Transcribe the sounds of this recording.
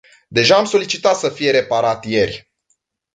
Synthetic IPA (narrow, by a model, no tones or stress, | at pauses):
d̪e̞ʒaːmso̞lit͡ʃit̪at̪səfije̞ɾe̞paɾat̪je̞rʲ